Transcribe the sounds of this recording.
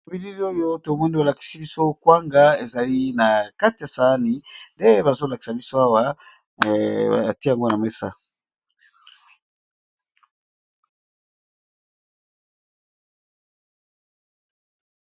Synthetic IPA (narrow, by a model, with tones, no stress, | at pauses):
o˨bi˦li˦li˦o˦jo˦to˨mɔ˦ni˦a˨la˨ki̥˨si˦bi˦so˦kwa˦ŋɡa˦e˨za˨li˦na˨ka˦ti˨ja˨sa˨a˦ni˨nde˦βa˨zo˦la˨ki̥˨sa˨bi˦so˦a˦wa˦˨ | a̰˨ti˦ja˨ŋɡo˦na˨me˦sa˦